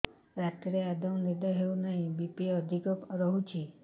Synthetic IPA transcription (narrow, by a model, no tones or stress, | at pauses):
ɾat̪ɾead̪ɔw̃nid̪aɦeũnaɦĩbipiəd̪ʱikɔpɾɔɦũt͡ʃʰi